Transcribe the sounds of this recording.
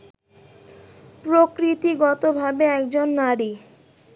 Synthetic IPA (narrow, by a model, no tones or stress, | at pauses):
pɾokɾit̪iɡɔt̪obʱabeɛkd͡ʑonːaɾi